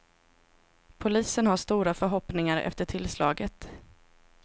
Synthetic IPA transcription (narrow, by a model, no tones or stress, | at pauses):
pʰʊliːsənhaʂt̪uːɾafœɾɦɔpnɪŋaɾɛ̰ft̪əʈʰɪlslɑːɡət̪